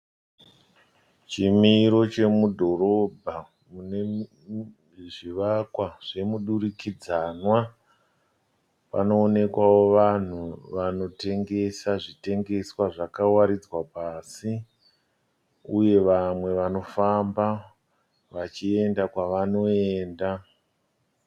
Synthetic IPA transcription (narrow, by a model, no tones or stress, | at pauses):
t͡ʃimiɾo̞t͡ʃe̞mudʱo̞ɾo̞bʱa | mune | ʐiʋakwaʐ̥e̞muɗuɾikid͡zanwa | pa̰no̞ːne̞kwawo̞ʋan̤uʋano̞te̞ŋɡe̞saʐite̞ŋɡe̞swaʐakawaɾid͡zwapasi | uje̞ʋamwe̞ʋano̞famba | ʋat͡ʃie̞ndakwaʋano̞eːnda